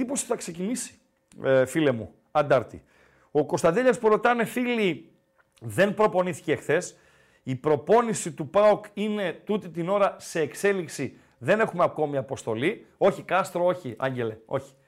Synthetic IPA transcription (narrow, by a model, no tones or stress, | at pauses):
ipo̞si̥θɐkse̞cinisi̥ | file̞mṵ | ɐnd̪ɐɾt̪ḭ | o̞ko̞st̪ɐnd̪eʎɐspuɾo̞t̪ɐne̞fili | ðe̞npɾo̞po̞niθi̥ce̞xθe̞s | ipɾo̞po̞nisit̪upɐokine̞t̪ut̪it̪ino̞ɾɐse̞ːkse̞liksi | ðe̞ne̞xumeɐko̞miɐpo̞st̪o̞li | o̞çikɐst̪ɾooçiʔɐ̰ɲɟe̞le̞o̞̰çi̥